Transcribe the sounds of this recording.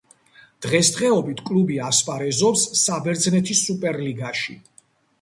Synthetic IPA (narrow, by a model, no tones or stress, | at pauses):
d̪̥ʁɛst̪χɛɔbit̪ʰkʼlubiaspʼaɾɛzɔpsːabɛɾd̪znɛt̪ʰisupʼɛɾliɡaʃḭ